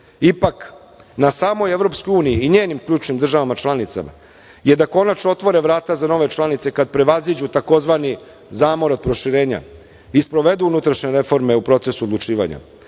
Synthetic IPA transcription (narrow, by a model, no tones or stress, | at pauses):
ipak | nasaːmo̞je̞ʋɾo̞pskojuːniiːɲeːnimkʎʲuːt͡ʃnimd̪r̩ʒaʋamat͡ʃlˠanit̪sa̰ma̰ | jed̪ako̞nat͡ʃnoo̞t̪ʋo̞ɾe̞ʋɾaːt̪azano̞ʋe̞t͡ʃlˠanit̪sekad̪̚pɾe̞ʋazid͡ʑut̪ako̞zʋani | zaːmoɾod̪̚pɾo̞ʃiɾe̞ːɲa̰ | ispɾo̞ʋe̞d̪uunut̪ɾaʃɲe̞ɾe̞fo̞ɾme̞upɾo̞t̪se̞suod̪lˠut͡ʂiːʋa̰ɲa̰